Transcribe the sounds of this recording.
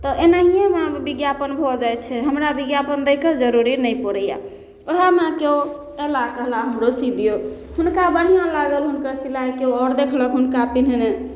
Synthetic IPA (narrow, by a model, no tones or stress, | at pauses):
t̪ɔʔenaɦijamebiɡjapənbʱɔd͡ʒajt̪t͡ʃʰɛɦəmɾabiɡjapənd̪əkəɾd͡ʒəɾuɾinəjpɔɽəja̰ | oɦamekeo | elakəɦlaɦəmɾosid̪ijo | hunkabəɽ̤ijãlaɡəlɦunkəɾsilajkeoɔɾd̪ekʰləkɦunkapin̤ne